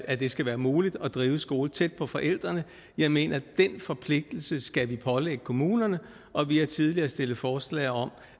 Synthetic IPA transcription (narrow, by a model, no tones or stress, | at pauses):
æd̥e̝sɡ̥æʋæːɐmuːlid̥ɒ̽d̥ʁiːʊəsɡ̥o̝ːlt͡sʰed̥̚pʰɒ̽fɒ̽ʔel̰d̥ʁɐnə | jɑ̈ɪme̝̰ːnʔɐd̥en̰fɒ̽pʰle̝ɡ̥̚d̥l̩səsɡ̥æʋipʰɒ̽leɡ̥əkʰo̝muːnɐnə | ʔɒ̽ʋihæt͡sʰið̞ˠliɐːsd̥e̝ləfɒːslɛ̰ɪɒ̽m